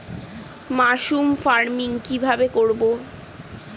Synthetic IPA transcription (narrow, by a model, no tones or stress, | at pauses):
maʃumfaɾmiŋkibʱabekoɾbo